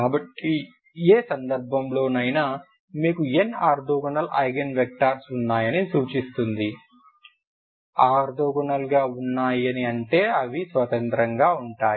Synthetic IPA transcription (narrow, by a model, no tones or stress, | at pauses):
kaːbɐʈːi | eːsɐnd̪ɐɾbʱɐmlo̞ːnɐjnaː | miːkueːnaːɾd̪ɔːɡɐnɐlɐ̰jɡɐnʋek̚ʈaːɾsunːaːjɐnisuːt͡ʃist̪und̪i | aːɾd̪oːɡɐnɐlɡaːunːaːjɐniɐɳʈe̞ːɐʋisʋɐt̪ɐnt̪ɾɐŋɡaːuɳʈaːj